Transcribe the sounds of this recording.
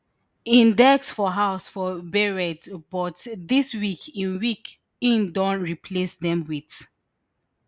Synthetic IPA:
ĩndɛksfɔɦaʊsfɔbɛɹɛdbɔtdiswikʰĩnwik | ĩndɔ̃ntɹipʰlesdɛ̃mwit

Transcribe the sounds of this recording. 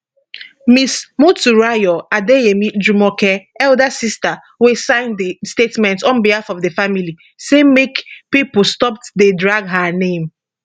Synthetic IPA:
mismotuɹajɔadeemidumɔkɛɛldasista | wesãɪ̃ndəstetmɛ̃ntɔ̃nbihafɔvdəfamili | semekpipostɔp̚tdedɹaɡɦanẽm

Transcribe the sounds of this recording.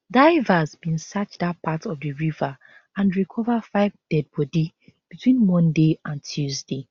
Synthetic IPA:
daɪvazbĩnsat͡ʃdatpʰatʰɔvdəɹiva | ãnɹikʰɔvafaɪvdɛd̚bɔdi | b̥itʰwĩnmɔ̃ndeãntʰjuzde

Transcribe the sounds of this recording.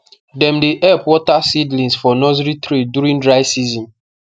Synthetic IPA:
dɛ̃mdeʔɛpwɔtasidlĩnsfɔnɔzɾitɾidjuɾĩŋdɹaɪsizɔ̃n

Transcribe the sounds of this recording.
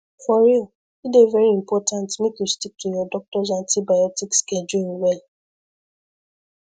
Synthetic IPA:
fɔɹil | idevɛɹiĩmpɔtʰãntmekjustik̚tʰujɔdɔk̚tɔzãntibajɔtiksked͡ʒuwɛl

